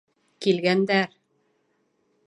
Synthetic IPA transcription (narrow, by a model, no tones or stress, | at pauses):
kilɡænd̪æɾ